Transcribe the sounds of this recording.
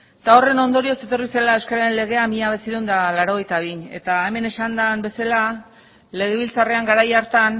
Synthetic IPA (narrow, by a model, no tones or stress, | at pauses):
t̪ao̞re̞no̞nd̪o̞ɾio̞se̞t̪o̞rise̞lae̞wskaɾaɾe̞nle̞ɣ̞e̞amiʎaβe̞siɾond̪alaɾo̞ɣ̞e̞jt̪aβiɲe̞̰t̪ae̞me̞ne̞sand̪ambe̞sela | le̞ɣe̞βilt͡sare̞aŋɡaɾajaɾt̪an